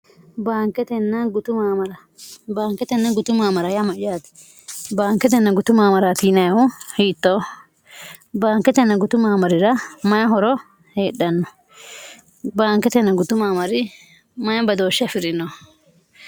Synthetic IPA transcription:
baːŋkːɛt̪ɛnːɐɡʊt̪ʊmaːmɐɾɐ | baːŋkːɛt̪ɛnːɐɡʊt̪ʊmaːmɐɾɐjɐmɐʔɪjaːt̪ɛ̥ | baːŋkːɛt̪ɛnːɐɡʊt̪ʊmaːmɐɾɐt̪iːnɐjɐhʊhiːt̪ːo | baːŋkːɛt̪ɛnːɐɡʊt̪ʊmaːmɐɾɪɾɐmɐjɐɦɔɾɔ | heːɗɐnːɔ | baːŋkːɛt̪ɛnːɐɡʊt̪ʊmaːmɐɾɪ | mɐjɐbɐd̪oːʃːɪɐfɪɾɪno

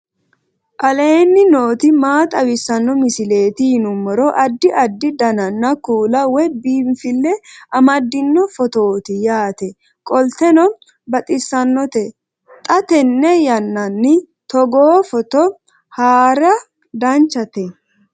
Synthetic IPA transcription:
ʔɐle̞ːnːɪno̞ːt̪ɪmaːt̪ʼɐwɪsːɐnːɔmɪsɪle̞ːt̪ɪhɪnʊmːɔɾɔʔɐd̪ːɪʔɐd̪ːɪd̪ɐnɐnːɐkuːlɐwɛbiːmfɪlːɛɐmɐd̪ːɪnːɔfɔt̪oːt̪ɪjaːt̪ɛ | kʼɔlt̪ɛnɔ | bɐt̪ʼɪsːɐnːɔt̪ɛ | t̪ʼɐt̪ɛnːɛjɐnːɐnːɪ | t̪ɔɡoːfɔt̪ɔ | haːɾɐ | d̪ɐnt͡ʃːɐt̪ɛ

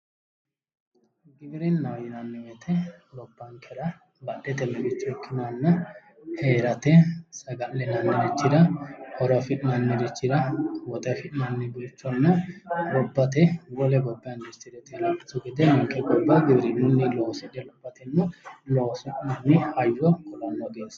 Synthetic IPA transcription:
ɡɪbɪɾɛnːɐwjɪnɐnːɪmɛt̪ʰɛlɔbːɐŋkʰɛɾɐ | bɐdːɛt̪ɛmːɛbɪt͡ʃːɔkʰːɪnanːɐ | heːɾɐt̪ɛsɐɡɐʔlːɛnɐnːɛdɪt͡ʃːɪd̪ɐhɔɾɐfɪʔɪnɐnːɪd̪ɪt͡ʃːɪd̪ɐwɔt̪ɐfɪᶑɪnɐnːɪbɪɾt͡ʃːɔnːɐlɔbːɐt̪ɛwɔlɛbɔbːɪjɐnd̪ɪt͡ʃːɪd̪ɛt̪ɛlakɪtːɔɡɛd̪ɛnɔŋkʼɛɡɔbːɐɡɪbɾɪnʊnːɪlɔːsɛᶑɛlɔbːɐt̪ɛnːʊlɔːsɛʔɪnɐnːɪhɐjːɔkɔlɐnːɔɡeːs

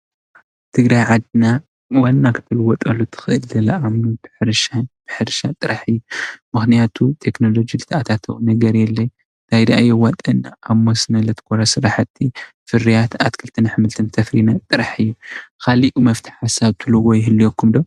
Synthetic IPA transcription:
t̪ʰɨɡɾajʕad̪ɨna | wanːakʰɨ̥t̪ʰɨlɨwɔt̪ʼɐlːut̪ʰɨ̥xɨʔɨlzɐlɐʔamnubɨħɨɾʃanb̥ɨħɨɾʃat̪ʼɨɾaħɨjːumɨxnijat̪ʰut̪ʰe̞kno̞lo̞d͡ʒilɨt̪ʰɐat̪ʰat̪ʰɐwunɐɡɐɾjɛlːɐj | t̪ʰajd̪ɐʔajɛwat̪ʼɐnːaʔaβmosnɐlɐt̪ʰɨ̥kʰʼoɾasɨɾaħat̪ʰːi | fɨɾijat̪ʰat̪kʰɨlt̪ʰɐnħɨmɨlt̪ʰɐnt̪ʰɐfɾinat̪ʼɨɾaħɨjːukʰaliʔumɐft̪ʰi̥ħasaβt̪ʰɨlɨɡojɪɦɨlːijokːumd̪ow

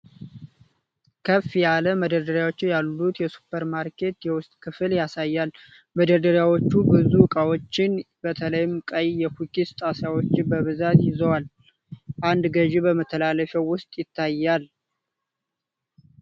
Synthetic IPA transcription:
kʰəfːijaləməd̪əd̪əɾjawo̞t͡ʃːɪjalːut̪jɛsu̥pʰːəɾmaɾkʰe̞t̪jɛwʊst̪ʼkʰɨfɨljasajːal | məd̪əd̪əɾjawo̞t͡ʃːubɨzukʼawo̞t͡ʃːɪn | bət̪ʰələjɪmkʼəjjɛfukʰist̪ʼasawot͡ʃːɪbəβɨzat̪jɪzəwal | ʔand̪ɡəʒibəmət̪ʰːəlaləfɛwːʊst̪ʼjɪt̪ʰːajːal

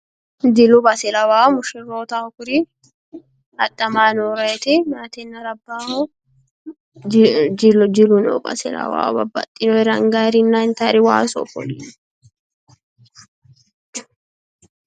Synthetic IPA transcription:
d̪ɪlʊbɐsɪlɐwaːmʊʃɪroːt̪aʊkʊɾɪ | ɐtʼːɐmaːnoːɾɐɛt̪ɪmaːt̪ɛnːɐɾɐbːaːhɔ | d͡ʒɪld͡ʒɪlʊnɔ̰bʼɐ̰sɪ̰lɐ̰wa̰ːbɐbːɐ̰t̪ʼːɪnɔɛɾɐŋɡaːɾɪnːant̪ɐɾɪwa̰ːsɔ̰fɔ̰lḭn

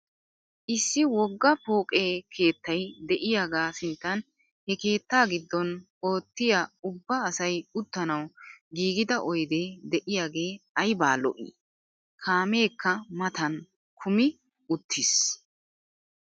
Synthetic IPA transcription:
ʔɪsːɪwɔɡːɐpoːkʼeːkʰe̞ːt̪ːɐjd̪ɛʔɪjaːɡaːsɪnt̪ːɐn | hɛke̞ːt̪ːaːɡɪd̪ːɔn | o̞ːt̪ːɪjaʊbːɐːsɐjʊt̪ːɐnɐwɡiːɡɪd̪ɐʔɔjd̪eːd̪ɛʔɪjaːɡe̞ːɐjbaːlɔ̰ʔḭː | kʰaːme̞ːkːɐmɐt̪ɐn | kʰʊmɪ | ʊt̪ʰːɪs

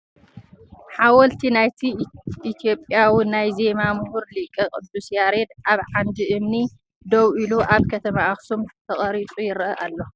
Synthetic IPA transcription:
ħawɔlt̪ʰinajt̪ʰiʔːt̪ʰijo̞pʼjawinajzemamhuɾlɨkʼːɐkʼɨd̪usjaɾed̪ʔaβʕand̪iʔɨmni | d̪owʔiluʔaβkʰɐt̪ʰɐmaaxsumt̪ʰɐχʼɐɾit͡sʼujɪɾʔɐʔalːo̞

